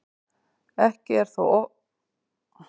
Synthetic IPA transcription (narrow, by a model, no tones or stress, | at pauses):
ɛhcɪɛɾ̥θuɔ